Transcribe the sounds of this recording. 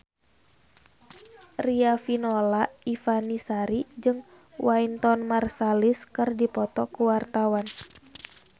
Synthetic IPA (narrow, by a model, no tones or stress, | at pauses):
riafinɔlaifanisaɾid͡ʒɨŋ | waint̪ɔnmarsaliskɨrdipɔt̪ɔkuwart̪awan